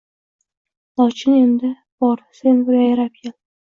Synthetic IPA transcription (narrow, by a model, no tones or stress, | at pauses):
lɒt͡ʃʰɪne̞nd̪ɪ | b̥ɒɾse̞nbʊɾajaɾapkʰʲel